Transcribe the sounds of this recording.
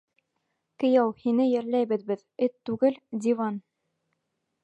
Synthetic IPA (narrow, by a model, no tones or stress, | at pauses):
kɘ̆jɑwhinɘjɘ̆ɾlæjbɘ̆ðbɘðɘt̪ːʉɡɘld̪ʲivɑn